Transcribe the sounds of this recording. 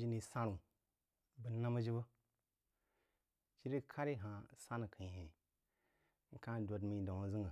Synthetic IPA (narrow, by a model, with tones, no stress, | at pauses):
d͡ʒi˦ni˨sa˦ɾu˨ | bə˨˦na˦mə˦d͡ʒi˦bə˦ | t͡ʃi˦ɾi˦kʰa˦ɾi˦ɦã˨sa˦nə˨kʰə˨hẽ˨˦ | ŋ̩˦kã˦˨do˨dmi˨do˨ŋ˨˦zi˦ŋə˨